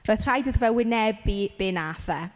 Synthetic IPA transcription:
rɔːjð̥r̥ajdɨðvɛwɪnɛbib̥ɪnaθɛ

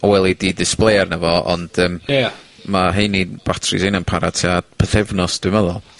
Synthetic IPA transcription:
ɔwɛlˠididɪsplˠejarnəvɔɔ̰nd̥əːmː | aɦejnib̥watʰrɪ̰sejnanpʰaɾatʰiapʰəθɛvnɔsd̥ɪməðɔlˠ

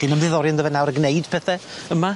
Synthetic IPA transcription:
inəmðɨðɔɾjəndəvɛnawɾəɡnejd̥pʰɛθɛəma

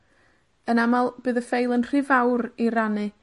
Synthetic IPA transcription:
ənamalˠb̥ɨːðəfejlˠənr̥ɨvawɾiɾanɨ

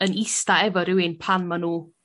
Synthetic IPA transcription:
ənɪstaɛvɔɾɪwɪnpʰanmanuː

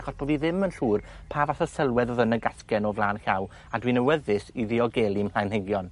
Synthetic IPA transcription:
χɔsb̥oːviðɪmənɬuːrpʰaːvaθəsəlˠwɛðɔðənəɡaskɛnɔvlˠaːnxaw | adwinəwəðɨsiðiɔɡelˠiml̥ajnheɡjɔn

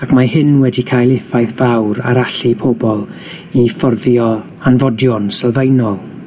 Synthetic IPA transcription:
akʰmahɨnwɛdikʰaːjlˠɪfajθv̥awɾa̰ɾaɬipʰɔbɔlˠ | ifɔrðjɔ | anvɔdjɔnsɛlˠvejnɔlˠ

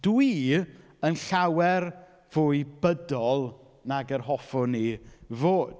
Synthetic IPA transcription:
d̥wi | ənɬawɛr | v̥uːjbədɔlˠ | naɡərɦɔfʊnivoːd̥

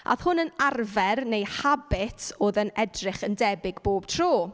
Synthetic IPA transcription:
ʔa̰ðhʊnənarvɛrnejhabɪtʰoːðənɛdrɪχəndɛbɪɡboːb̥̚tʰroː

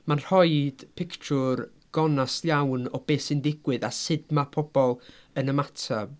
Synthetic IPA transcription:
manr̥hɔjd̥pʰɪkt͡ʃʰʊr | ɡ̥ɔnasljawnɔb̥eːsɪndɪɡwɨðasɪdmapʰɔb̥ɔlˠənəmatʰa

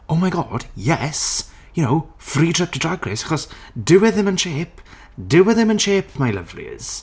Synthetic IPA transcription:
ɔmajɡɔːd̥jɛs | jʊnowfriːdrɛp̚tʰədraɡrɪsaχɔsdɪwɪðɪmənʃeːpʰ | dɪwɪðɪmənʃeːpʰmajləvlḭz̥

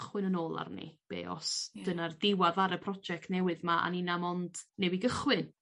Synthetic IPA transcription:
χwɪnənoːlˠa̰rnḭb̥ḛːɔ̰sd̥ənardɪwaðaɾəpʰrɔd͡ʒɛk̚tnɛwɨðmaʔa̰ninamɔnd̥nɛbiɡəχwɨn

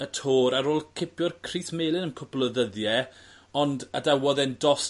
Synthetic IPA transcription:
ətʰoːɾaɾoːlˠkʰɪpʰjɔrkʰriːθmeːlˠɪnənkʰʊplˠəðəðjɛ | ɔnda̰dawɔðɛndɔs

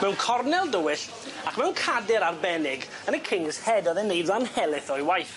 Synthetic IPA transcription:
mɛwnkʰɔrnɛlˠdəwɪɬ | akʰmɛwnkʰadɪɾarbɛnɪɡ | ənəkʰɪŋshɛdɔðɛnːejdlˠanhɛlˠɪθɔjwajθ

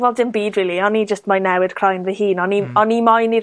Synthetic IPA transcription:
vɔlˠdɪnbiːdriːlˠiɔnid͡ʒəstmajnɛwɨd̥kʰrajnvəhiːnɔniɔnimɔjni

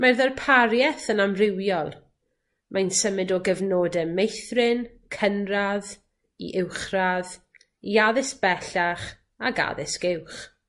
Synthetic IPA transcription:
marðɛrpʰaɾjɛθənamrɪwjɔlˠ | mʔajnsəmɨdɔɡəvnoːdɛmejθrɪn | kʰənrað | ḭʔɪwχrað | iaðɪsb̥ɛɬaχ | aɡa̰ðɪsɡ̥ɪwχ

